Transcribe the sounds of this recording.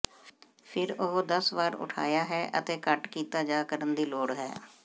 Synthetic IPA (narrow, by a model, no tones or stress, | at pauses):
pʰɪɾʊɦd̪əsʋaːɾʊ̰ʈʰa̰ːjaːɦɛːʔə̰t̪eːkəʈkiːt̪aːd͡ʒaːkəɾənd̪iːloːɽɦɛ̰ː